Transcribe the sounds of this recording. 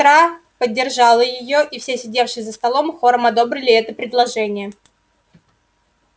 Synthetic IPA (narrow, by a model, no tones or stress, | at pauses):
ɾa | pədʲːɪrʐɑlˠəjɪjo̞ʔifsʲesʲɪdʲefʂɨjzəst̪ɐlˠo̞mxo̞ɾəmɐd̪o̞bɾʲɪlʲɪɛt̪əpɾʲɪd̪lˠɐʐɛnʲɪjə